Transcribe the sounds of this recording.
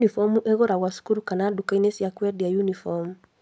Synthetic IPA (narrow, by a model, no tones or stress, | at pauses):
nifɔmuʔɛɣɔɾaɣwasu̥kuɾukanaɗukainɛsijakwɛdijajunifɔmu